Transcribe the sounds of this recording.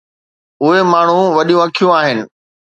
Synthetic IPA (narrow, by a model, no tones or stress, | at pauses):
ʊɦemaːɳ̤ũʋɐɗijũɐkʰijũaːɦɪnɪ̆